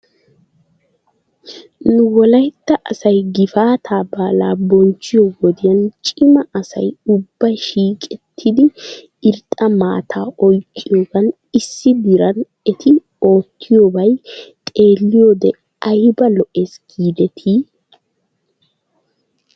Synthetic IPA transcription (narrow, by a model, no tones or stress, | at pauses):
nʊwɔlɐjt̪ːɐʔɐsɐjɡɪfaːt̪ʰaːbaːlaːbɔnt͡ʃːɪjoɡɔd̪ɪjɐnt͡ʃʼɪmɐʔɐsɐ̰jʊbːɐjʃiːkʼɛt̪ʰːɪd̪ɪ | ɪɾt̪ʼɐmaːt̪ʰaːʔɔjkːɪjoːɡɐn | ɪsːɪd̪ɪɾɐn | ɛt̪ʰɪ | o̞ːt̪ʰːɪjoːbɐjt̪ʼe̞ːlːɪjoːd̪ɛ | ɐjbɐlɔʔe̞ːsɡ̥iːd̪ɛt̪ʰiː